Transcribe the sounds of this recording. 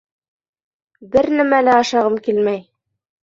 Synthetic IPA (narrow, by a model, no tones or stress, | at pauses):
bɘɾnæmælæɑʃɑʁɤmkilmæj